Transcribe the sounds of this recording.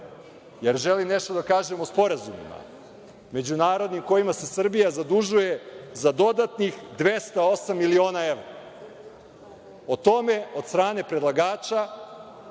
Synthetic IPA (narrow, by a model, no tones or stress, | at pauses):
jeɾʒe̞limne̞ʃt̪od̪akaːʒe̞mospo̞ɾazumḭma̰ | me̞d͡ʑunaːɾo̞d̪nimko̞jimase̞sr̩bijazad̪uʒuje̞zad̪o̞d̪at̪nixd̪ʋe̞st̪ao̞samːilio̞ːnaeʋɾa | ot̪o̞me̞o̞d̪st̪ɾaːne̞pɾed̪lˠaɡaːt͡ʃa